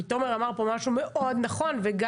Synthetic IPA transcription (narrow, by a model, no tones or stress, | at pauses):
it̪o̞meʁamaʁpo̞maʃume̞ʔʔo̞d̪naχo̞nveɡa